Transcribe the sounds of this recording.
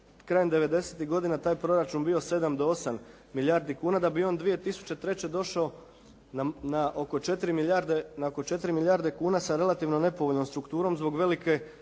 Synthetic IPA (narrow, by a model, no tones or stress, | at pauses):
kɾaːjemd̪e̞ʋe̞d̪e̞se̞t̪iɦɡo̞d̪inat̪aːjpɾo̞ɾat͡ʃunbijo̞se̞d̪amd̪oo̞samː | iljaɾd̪ikuːnad̪abio̞nd̪ʋije̞t̪isu̥t͡ɕe̞t̪ɾe̞t͡ɕe̞d̪o̞ʃao | nanaʔoko̞t͡ʃe̞t̪iɾimiaɾd̪enaoko̞t͡ʃe̞t̪ɾimiljaːɾd̪e̞kuːnasaɾe̞lˠat̪iʋno̞ne̞po̞ʋoʎno̞mst̪ɾukt̪uːɾo̞mzbo̞ɡʋe̞like̞